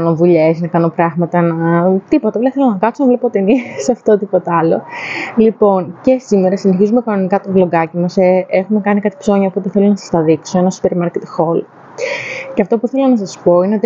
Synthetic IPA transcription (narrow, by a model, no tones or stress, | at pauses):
no̞vuʎesnɐkɐno̞pɾɐɣmɐt̪ɐnɐt̪ipot̪ɐvleθelonɐkɐt̪sovlepoot̪inisɐft̪o̞t̪ipo̞t̪ɐɐlo̞̰lipo̞nce̞simeɾɐsineçizumekɐno̞nikɐt̪ovlo̞ɡɐcimɐseexume̞kɐnikɐt̪i̥pso̞ɲɐpuo̞t̪eθelonɐsɐ̥st̪ɐðikso̞enɐsu̥peɾmɐɾcet̪xo̞l | ceɐft̪o̞puθe̞lonɐs̬ɐspo̞ineo̞t̪i